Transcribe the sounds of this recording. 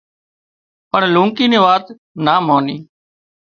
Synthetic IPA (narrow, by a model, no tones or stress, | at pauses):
pəɳlũːŋkiːnẽːʋaːt̪ | naːmoːniː